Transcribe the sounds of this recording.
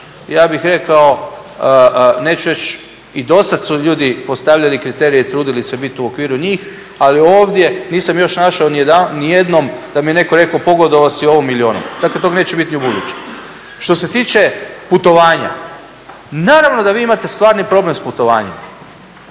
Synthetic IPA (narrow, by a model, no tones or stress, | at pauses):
jaːbixɾe̞kao̞ | ne̞ːt͡ʃuɾe̞t͡ʃ | id̪o̞sad̪suʎuːd̪ipo̞st̪aʋʎalikɾit̪e̞ːɾijeit̪ɾuːd̪ilise̞bit̪uokʋiːɾuɲiːx | alio̞ːʋd̪je̞niːsamjo̞ʃnaʃaonid̪anije̞d̪no̞md̪amijene̞koɾe̞kopo̞ɡo̞d̪oʋasio̞ʋomːilio̞ːno̰md̪aklet̪oɡneːt͡ɕebit̪niubud̪ṵt͡ɕe̥ | ʃt̪o̞se̞t̪iːt͡ʃe̞put̪o̞ʋaːɲa̰ | naːɾaʋno̞d̪aʋiːimat̪e̞st̪ʋaːɾnipɾo̞ble̞msput̪o̞ʋaːɲḛm